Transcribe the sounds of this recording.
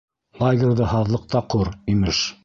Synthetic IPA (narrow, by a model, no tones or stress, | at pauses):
lˠaɡʲerðɤɦɑðlˠɤ̆q̚t̪ɑquɾimɘʃ